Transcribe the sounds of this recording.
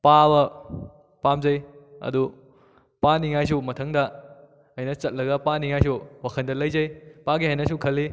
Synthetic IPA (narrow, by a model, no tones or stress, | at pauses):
pabɐ | pamzɐjɐ̰du | paniŋajs̬umɐtʰɐŋdɐ | ɐjnɐt͡ʃɐt̚lɐɡɐpaniŋajs̬uwakʰɐndɐlɐjzɐjpaɡiɦajnɐsukʰɐlːi